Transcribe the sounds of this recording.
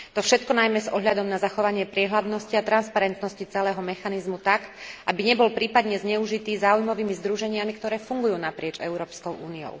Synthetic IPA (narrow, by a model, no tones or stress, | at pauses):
t̪ɔfʃɛt̪kɔnajmɛzɔɦʎad̪ɔmnazaxɔʋaɲɪɛpɾɪɛɦlad̪nɔsciat̪ɾanspaɾɛnt̪nɔscit͡sɛlɛːɦɔmɛxanizmut̪akʔabiɲɛbɔlpɾiːpad̪ɲɛzɲɛuʒit̪iːzaːujmɔʋiːmizd̪ɾuʒɛɲɪamikt̪ɔɾɛːfuŋɡujuːnapɾɪɛt͡ʃɛ̰ʊɾɔːpskɔʊʔuːniɔ̰ʊ